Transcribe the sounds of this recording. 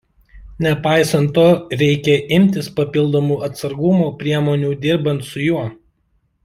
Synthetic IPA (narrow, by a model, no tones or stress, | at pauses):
nʲɛpɑˑɪsɐnˑt̪ːoːɾʲɛɪkʲɛʔɪmʲt̪ʲɪspɐpʲɪlˠd̪oːmuːɐt̪sɐɾɡʊmoːpʲɾʲiɛmoːnʲuːd̪ʲɪɾbɐnt̪sʊjuɔ